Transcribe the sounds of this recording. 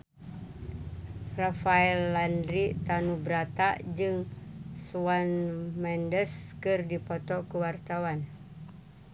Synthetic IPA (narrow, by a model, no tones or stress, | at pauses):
rafaɛlːandɾit̪anubɾat̪a̰d͡ʒɨŋsuwanmɛndəskɨrdipɔt̪ɔkəwart̪awan